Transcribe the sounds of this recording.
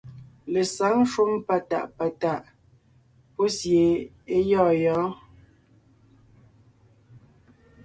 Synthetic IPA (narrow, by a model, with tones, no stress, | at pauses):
le˨sa˨˦ŋ˦ʃu˦mpa˦˨ta̰˨ʔpa˨ta˦˨ʔ | po˦sje˨ | e˦jɔː˦˨jɔː˨˦